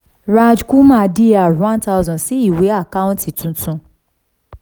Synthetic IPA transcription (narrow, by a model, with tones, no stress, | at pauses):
ɾa˦d͡ʒku˦mã˦di˦a˨ɾã˦n˦ta˦ʊ˦zɔ̃˨si˦i˦˨we˨˦a˦˨ka˦ʊ̃˦n̩˦ti˨tũ˦tũ˧